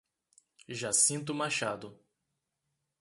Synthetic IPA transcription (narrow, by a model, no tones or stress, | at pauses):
ʒasĩnt̪̬ʊmaʃad̪ʊ